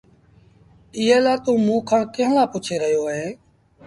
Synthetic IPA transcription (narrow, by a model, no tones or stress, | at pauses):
ɪɦeːlaːt̪ũːmũːkʰəɳkɪɦlãːpʊt͡ʃʰeːɾəɦjoːɦeː